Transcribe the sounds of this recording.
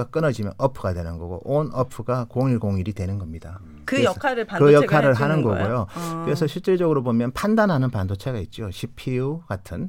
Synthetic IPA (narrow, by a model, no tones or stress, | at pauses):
ak͈ɯnʌd͡ʑimjʌnʔʌpʰɯɡadwenɯnɡʌɡo̰ʔonʌpʰɯɡakoŋiɭɡoŋiɾidwenɯnɡʌmɲida | kɯkʰaɾɯkɯjʌkʰaɾɯɭɦanɯnɡʌɡojokɯɾe̞sʰʌɕʰiɭt͡ɕ͈eɭd͡ʑʌɡɯɾobomjʌnpʰandanɦanɯnpandot͡ɕʰe̞ɡait̚t͡ɕ͈oɕʰipʰiuɡatʰɯn